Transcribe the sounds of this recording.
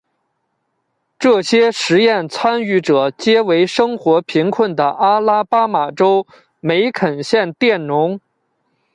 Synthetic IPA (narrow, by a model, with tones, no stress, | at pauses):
ʈ͡ʂɤ˥˩ɕjɛ˥ʂɻ̩˧˥jɛ˥˩nt͡sʰwa˥ny˧˥˩ʈ͡ʂɤ˨˩t͡ɕjɛ˥we˧˥ɪʂɤ˥ŋxwɔ˧˥pʰi˧˥ŋkʰwə˥˩nd̪ə˩ʔa˥la˥pa˥ma˨˩ʈ͡ʂo˥ʊ | me˧˥ɪkʰə˨˩nɕjɛ˥˧nt̪jɛ˥˩nnʊ˧˥ŋ